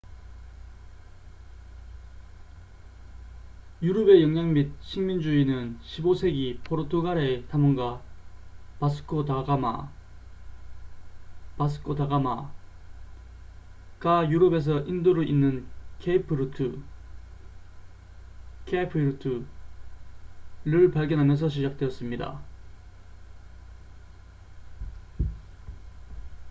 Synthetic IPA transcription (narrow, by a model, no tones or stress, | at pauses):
juɾʌbe̞jʌŋɲaŋmit̚ɕʰiŋmind͡ʑuinɯnɕʰibosʰe̞ɡipʰoɾotʰoɡaɾe̞tamʌŋɡa | pas̬ʰɯ̥kʰotaɡama̰ | pas̬ʰɯ̥kʰotaɡama̰ | k͈ajuɾʌbe̞s̬ʰʌʔindoɾɯʔinːɯnkʰepʰɯɾɯtʰɯ | kʰepʰɯɾɯtʰɯ | ɾɯɭpaɭɡjʌnɦamjʌns̬ʰʌɕ̬ʰid͡ʑak̚t͈weʌs͈ɯmɲida̰